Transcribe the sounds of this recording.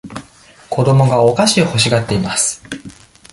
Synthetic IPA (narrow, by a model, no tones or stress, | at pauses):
kʰo̞d̪o̞mo̞ɡao̞kaɕioho̞ɕ̬iɡat̪ːe̞imasɨ̥